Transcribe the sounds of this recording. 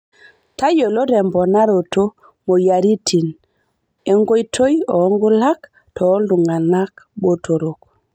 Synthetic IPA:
ta˦jo˨lo˦ɾe˨mbo˨na˦ɾo˨to˦ | mo˨ja˨ɾi˦tʰi˨n | e˦ŋɡo˦jtʰo˦jo˨˦ŋɡu˦la˦k | to˨˦ldu˨ŋɡa˨na˦kɓo˦tʰo˨ɾo˨k

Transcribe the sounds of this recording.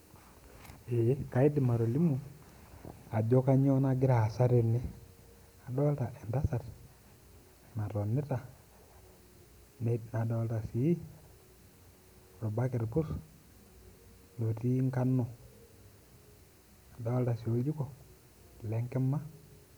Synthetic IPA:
e˨˦ka˨i˦di˨ma˨ɾo˨li˦mu˨ | a˨d͡ʒo˦ka˦ɲo˦na˦ɡɪ˦ɾa˨sa˦ɾe˨ni˦ | a˨do˦lta˨ʔe˨nda˦sa˨t | na˨to˨nːi˦ta˨ | n˨na˨do˦lta˨si˨˦i˦˨ | ɾo˨ba˦ke˨ɾpu˦s | no˨ti˦ŋka˦nːo˨ | a˨do˦lta˨si˨o˦d͡ʒu˦ko˨ | le˦ŋkɛ˦mːa˦

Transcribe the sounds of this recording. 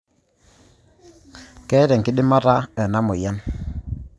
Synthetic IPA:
kɛ˦ɾɛ˨ŋkɪ˦dɪ˦ma˦ta˦ɛ˨na˦mʊ˨ja˦n

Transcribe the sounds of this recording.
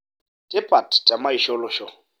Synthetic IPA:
tʼɪ˦pʼa˨ttʼa˨ma˦i˨ʃɔ˦lʊ˨ʃɔ˦˨

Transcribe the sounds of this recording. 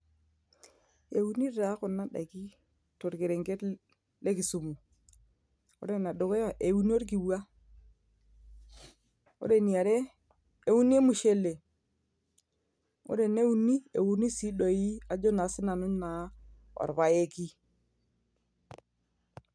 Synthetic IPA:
e˨u˦ni˦ɾa˦kʊ˨na˦ɗa̰˨ki˦ | to˨ɾki˨ɾe˨ŋɡe˦t | le˦ki˨su˨mu˨ | ʊ̰˦ɾe˦na˨ɗo˨ke˦ja˨ʔe˨wu˦ni˦o˦ɾk̬i˨bu˦a˦ | o̰˦ɾe˨ni˨a˨ɾe˦ | e˦u˦n˦e˦mu˨ʃe˦le˨ | o̰˦ɾe˨ne˦u˦ni˦e˨wu˦ni˦si˦ɗo˨ji˦a˨d͡ʒo˦na˨˦sɪ˦na˨nʊ˦ɲna˨ | ɔ̰˨ɾβa˨je˦ki˦

